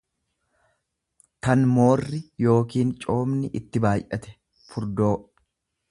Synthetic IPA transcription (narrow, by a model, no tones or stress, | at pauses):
t̪ɐnmo̞ːrːɪjo̞ːkiːnt͡ʃʼo̞ːmnɪʔɪt̪ːɪbaːjʔɐt̪ɛ̥ | fʊɾd̪o̞ː